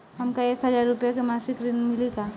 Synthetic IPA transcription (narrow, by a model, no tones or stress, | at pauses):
ɦɐmkaeːkɦɐzaːɾːʊpjakemaːsɪkɾɪnmɪlikaː